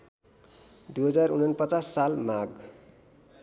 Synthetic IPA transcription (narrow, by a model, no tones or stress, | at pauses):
d̪uɦʌd͡zarunʌnpʌt͡sasːalmaɡ